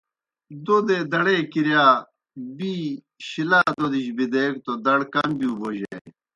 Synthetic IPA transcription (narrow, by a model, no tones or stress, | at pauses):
d̪od̪eːd̪ɐɽeːkiɾjaː | biː | ɕilaːd̪od̪iɕbid̪eːkt̪od̪ɐɽkɐmbijuːboʑḛ